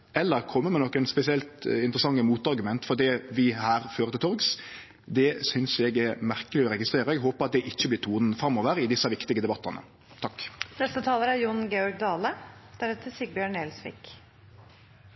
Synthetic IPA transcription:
ɛlːəɾkʰɔmːəmɛnɔkːənspɛsɪɛlt̪ɪnt̪ɾəsɑŋːəmuːt̪ɑɾɡʉmɛnt̪fɔd̪iːʋɪhæːɾføːɾət̪ɪt̪ʰɔɾɡs | d̪ɛsʏnsɛɡæɾmæʁkəlɪɔɾɛɡɪst̪ɾeːɾəɛɡɦoːpəɾɑt̪̚d̪ɛʔɪçːəblɪɾt̪ʰuːnn̩fɾɑmːɔʋəɾɪd̪ɪsːɑʋɪkt̪ɪɡəd̪ɛbɑt̪ːənə̰ | t̪ʰɑkːnɛst̪ət̪ʰɑːləɾæɾjʊnɡeːɔɾɡ̚d̪ɑːləd̪̥æɾɛt̪ʰːəsiɡ̚bjøːɳeːlsʋɪ̰k

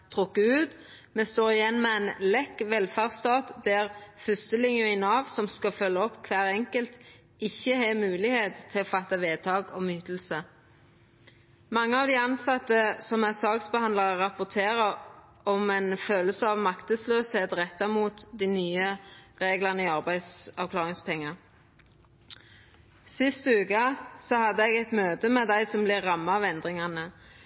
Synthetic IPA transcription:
t̪ʰʁʊkːəʉːt̪ | mɛst̪oːʁɪjɛnːmɛɛnlɛkʋɛlfæːʁst̪ɑːt̪d̪æʁfʏst̪əlɪŋjʉʊɪnɑːʋsɔmskɑfœlːəɔpːkʰʋæːʁɛŋkəlt̪ | ɪçːəhɛmʉːlɪheːt̪t̪ʰːɪlɔfɑt̪ːɑʋeːt̪ʰɑːɡɔmyːt̪əl̩sə | mɑŋːəɑʋd̪ɪɑnsɑt̪ːəsɔmæsɑːksbəhɑnd̪lɑʁʁɑpʊt̪ʰeːʁə | ɔmɛnføːləsəɑːʋmɑkt̪əsløːsheːt̪ʁɛt̪ːɑmuːt̪d̪iːnyːəʁeːɡləʁnəɪɑʁbæɪd̪sɑʋkʰlɑːʁɪŋspʰɛŋːɑ | sɪst̪ʉːkɑsɔhɑd̪ːəɛɡɛt̪møːt̪əmɛd̪æɪsɔmblɪʁɑmːɑʋɛnd̪ʁɪŋɑnə

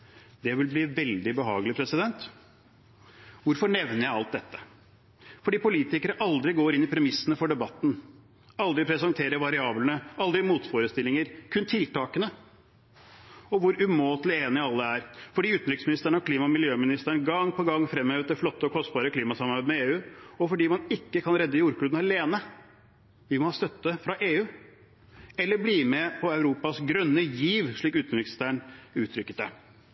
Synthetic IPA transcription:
d̪ɛʋɪlbliːʋɛld̪ɪbəɦɑ̰ːɡəlɪpʰɾɛsɪd̪ɛnt̪ | ʋʊɾfɔɳɛʋnəɾjæɪɑlt̪̚d̪ɛt̪ːə̥ | fɔɖiːpʊliːt̪ɪkəɾəʔɑld̪ɾɪɡoːɾɪnːɪpʰɾɛmɪsːənəfɔɖɛbɑt̪ːn | ɑld̪ɾɪpʰɾɛsɑnt̪ʰeːɾəɾʋɑɾɪɑːblnəʔɑld̪ɾɪmuːt̪foːɾəst̪ɪlːɪŋəɾkʰʉnt̪ʰɪlt̪ɑːkənə | ɔʋʊɾʉmoːt̪lɪeːnɪɑlːəæɾfɔɖiːʉːt̪n̩ɾʏksmɪnɪst̪əɳəɔkʰliːmɑɔmɪljøːmɪnɪst̪əɳɡɑŋːpɔɡɑŋːfɾɛmːhøːʋt̪̚d̪ɛflɔt̪ːəɔkʰɔst̪̚bɑːɾəkʰliːmɑsɑmɑɾbæd̪mɛeːʉːɔfɔɖiːmɑnɪkːəkʰɑnɾɛd̪ːəjuːɾk̪ʉːd̪nɑleːnə | ʋɪlmɑnhɑːst̪œt̪ːəfɾɑʔeːʉː | ɛlːəbliːmɛpʰɔɑʉɾuːpɑsɡɾœnːəjiːʋʂɭiːkʉːt̪n̩ɾɪkst̪æɳʉːt̪ʰɾʏkːət̪d̪ɛ

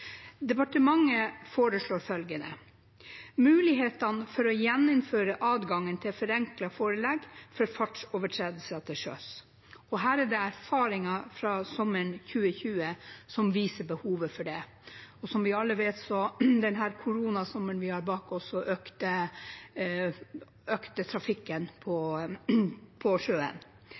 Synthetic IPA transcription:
d̪ɛpɑʈəmɑŋːəfoːɾəʂɭoːɾfœlɡənə | mʉːlɪɦeːt̪ɑnfɔɾɔjɛnːʊmføːɾəʔɑːd̪ɡɑŋːənt̪ʰɪlfɔɾɛŋklɑfoːɾəlɛɡfɔɾfɑʈoːʋəʈʰɾeːd̪əl̩sət̪ʰɪʂø̰s | ɔɦæːɾæɖɛæɾfɑːɾɪŋɑfɾɑsɔmːəɳçʉːəçʉːəsɔmʋiːsəbəhuːʋəfɔɖɛ | ɔsɔmʋɪɑlːəʋeːt̪sɔd̪ɛnɦæːɾkʰʊɾuːnɑsɔmːənʋɪhɑɾbɑːkɔsɔʔøːkt̪ə | øːkt̪ət̪ʰɾɑfɪkːənpʰɔ | pʰɔʂøːə̰n

